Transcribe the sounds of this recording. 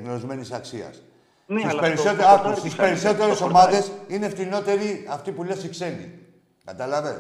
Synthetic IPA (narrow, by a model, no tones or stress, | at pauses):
knolozme̞nisɐksiɐ̰s | st̪ispeɾisot̪st̪ispe̞ɾiso̞t̪e̞ɾeso̞mɐðe̞sineft̪ino̞t̪e̞ɾiɐft̪ipule̞sikse̞nḭ | kɐt̪ɐlɐve